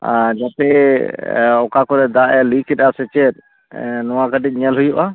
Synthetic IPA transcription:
ad͡ʒat̪ɛ | ɔkakɔɾɛd̪aʔɛlikʰɛɗasɛt͡ʃɛt̪̚ | nɔwaɡəʈic̚ˀɲiəlɦujuʔa

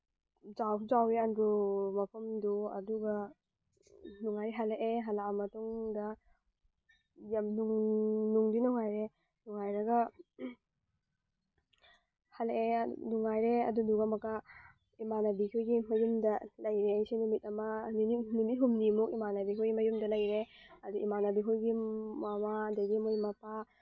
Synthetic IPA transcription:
zawzaweanɡumɐpʰɐmduɐ̰duɡɐ | nuŋajɾeɦaleʔeɦalamɐtuŋdɐ | jamnuŋnuŋdinuŋajɾe | nuŋajɾɐɡɐ | haleḛnuŋajɾeɐ̰dunuɡamɐkɐ | imanabikʰujɡimɐjumdɐlɐjɾejsinumit̚ɐmɐnnumit̚ɦumnimuk̚imanabikʰojɡimɐjumdɐlɐjɾe | ɐduʔimanɐbikʰojɡimamadajɡimojmɐpa

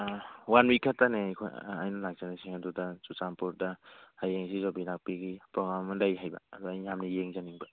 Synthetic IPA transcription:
wanwikʰːatanekʰo̰ja̰jnɔlak̚zanasiŋadudasut͡ʃampuɾdahajeŋsizɔbinak̚piɡipɾɔɡɾamːadajɦajba̰ːduajhamnijeŋzaniŋba

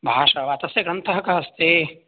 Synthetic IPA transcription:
bʱaːʃɐʋaːt̪ɐsjeɡɾɐnt̪ɐɦɐkaɦɐst̪eː

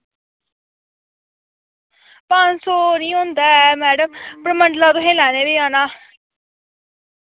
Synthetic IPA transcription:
pansoːnĩːɦõnd̪aːɛmɛːɖəmpɾəməɳɖlaːt̪ʊɦẽːlɛːneːʋiːaːnaː

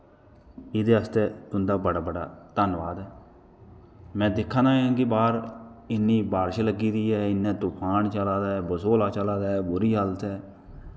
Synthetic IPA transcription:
ɪd̪eːəst̪eːt̪ʊnd̪aːbəɽaːbəɽa̰ːt̪ənʋaːd̪ɛː | mɛ̃ːd̪ɪkʰːãːnaːãːkɪbaːɾɪnːiːbaːɾʃləɡːiːd̪iːɦɛːɪnːɛ̃ːt̪ʊkʰaːnt͡ʃəlaːd̪aːɛːbəsoːlaːt͡ʃəlaːd̪aːɛːbʊɾiːɦəlt̪ɛː

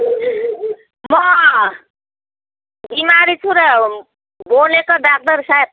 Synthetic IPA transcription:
mʌ | bimaɾit͡sʰuɾʌ | bolekod̪ak̚d̪ʌɾsaet̚

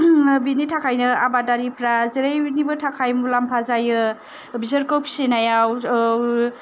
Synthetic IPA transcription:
binitʰakʰajnɯabadaɾipʰɾaziɾajbinibɯtʰakʰajmulampʰazajɯ | bizaɾkɯpsinajaw

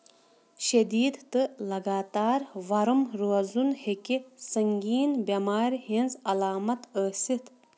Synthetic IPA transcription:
ʃed̪iːd̪t̪ɨlɐɡaːt̪aːɾʋɐɾɨmɾuɐzunhekisɐŋɡiːnbɐmaːɾɦinzɐlaːmɐt̪əːsit̪

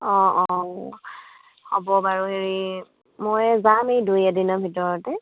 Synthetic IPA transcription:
ɔ̃ɔ | hɔbɔbaɹuɦeɹi | mɔjzamejdujadinɔbʱitɔɹɔtɛ

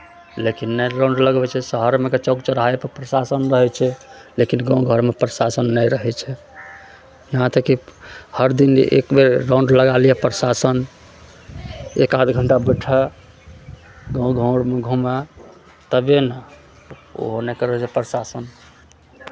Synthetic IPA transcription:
lekinːɛɾãʊ̃ɳɖləɡbɛt͡ʃʰɛsəɦəɾmeket͡ʃɔɡt͡ʃəɾajpəɾpɾsasənɾəɦɛt͡ʃʰɛlekinɡɔ̃ɡʱəɾmepɾəsasənːɛjɾəɦɛt͡ʃʰɛ | jəɦãt̪əkihəɾd̪inḛkbeɾːãw̃ɳɖləɡalijɛpɾəsasən | ekad̪ɡʱəɳʈabəʈʰɛ | ɡə̃ɡʱə̃ɽmeɡʱumɛ | t̪əbenə | o̰ɦonekəɾəɦɛt͡ʃʰɛpɾəsasən

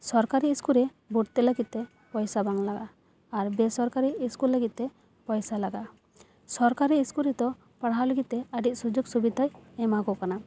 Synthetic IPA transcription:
sɔɾkaɾiːskuɾɛ | buʈt̪ɛləɡit̪̚t̪ɛ | pɔjsabaŋlaɡaː | ɾbɛsɔɾkaɾiːskuɾlːəɡit̪̚t̪ɛ | pɔjsalaɡa | sɔɾkaɾiːskuɾɛd̪ɔ | paɽaləɡit̪̚t̪ɛəɖic̚sud͡ʒuɡsubid̪ʱajɛmakɔkana

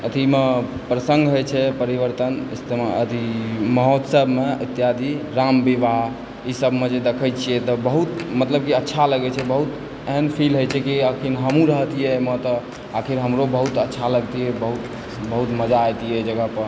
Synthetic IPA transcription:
ət̪ʰimepɾəsəŋɡɦojt͡ʃʰɛpəɾiʋəɾt̪ənist̪eət̪iməɦot̪səbʱmeət̪ːjad̪iɾambibaɦ | isəbʱmed͡ʒed̪ekʰəjt͡ʃʰijɛt̪ɔbəɦut̪mət̪ləb̚kiətːʃʰaləɡɛt͡ʃʰɛbəɦut̪ | eɦənpʰilɦojt͡ʃʰɛkiəkʰinɦəmũɾəɦt̪ijɛmət̪ | akʰiɾɦəmɾobəɦut̪ətːʃʰaləɡt̪ijɛbəɦut̪ | bəɦut̪məd͡ʒaːjt̪ijɛd͡ʒəɡəpəɾ

